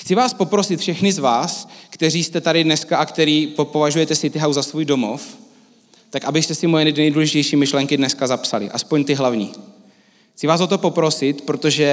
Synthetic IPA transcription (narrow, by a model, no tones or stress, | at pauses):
xt͡sɪvaːspo̞pɾo̞sɪt̪fʃɛxnɪzvaːskt̪ɛriːst̪ɛt̪adɪdnɛskaʔakt̪ɛɾiːpopo̞vaʒujɛt̪ɛsɪt̪ɪɦawzasvuːjdo̞mof | t̪akʔabɪst̪ɛsɪmojɛnɪdnɛjduːlɛʒɪcɛjʃiːmɪʃlɛŋkɪdnɛskazapsalɪ̰ʔaspoɲt̪ɪɦlavɲḭː | xt͡sɪvaːszot̪o̞po̞pɾo̞sɪt̪pɾot̪o̞ʒɛ